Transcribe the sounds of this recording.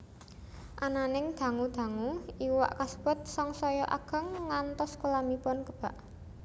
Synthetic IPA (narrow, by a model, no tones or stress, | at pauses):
ʔananɪŋd̪̥ä̤ŋud̪̥a̤ŋuiwa̰ʔkasə̥pʊt̪̚sɔŋsɔjɔʔa̰ɡ̥ə̤ŋːant̪ɔskulamipɔnkəb̥a̤ʔ